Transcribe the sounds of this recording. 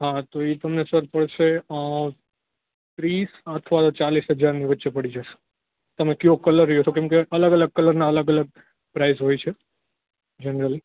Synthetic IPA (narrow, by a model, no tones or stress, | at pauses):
ɦãt̪oet̪əmnesəɾpəɽʃeə | t̪ɾisət̪ʰʋat̪ot͡ʃalisɦəd͡ʒaɾniʋətːʃepəɽid͡ʒəʃe̥ | t̪əmekjokələɾːiɦot͡ʃʰokɛ̃mkeʔələɡələɡ̚kələɾnaələɡələɡ̚ | pɾaizɦojt͡ʃʰe | d͡ʒənɾəli